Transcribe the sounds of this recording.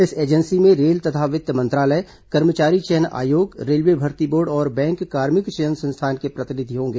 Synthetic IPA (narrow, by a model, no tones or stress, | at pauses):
ɪseːd͡ʒənsimẽɾeːlt̪ɐt̪ʰaʋɪd̪jəmɐ̃nt̪ɾaːlə | kɐɾmət͡ʃaːɾit͡ʃɛəna̰ːjoːɡɾeːlʋebʱɐɾt̪iboːɾɖɔːɾbɛ̃ːŋkːaːɾmɪkt͡ʃɛɦənsə̃nst̪ʰaːnkepɾɐt̪ɪnɪd̪ʱiɦõːŋɡeː